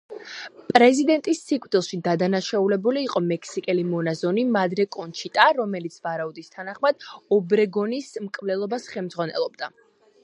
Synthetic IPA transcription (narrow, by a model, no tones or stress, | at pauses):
pʼɾɛzid̪ɛnt̪ʼisːikʼvd̪ilˠʃid̪ad̪anaʃaulɛbuliːqʼɔmɛkʰsikʼɛlimɔnazɔnimad̪ɾɛkʼɔnt͡ʃʰit̪ʼaɾɔmɛlit̪sʰvaɾaud̪ist̪ʰanaχmad̪̚ɔbɾɛɡɔnismkʼvlɛlˠɔbasχɛlmd̪z̥ʁwanɛ̰lˠɔb̚d̪a